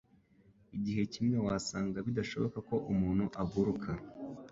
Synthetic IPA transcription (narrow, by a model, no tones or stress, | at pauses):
iɟiɦe̞cimŋewaːsaːŋɡaβidaʃo̞̰βo̞kako̞ʔumuːnhuʔaɡuɾukʰa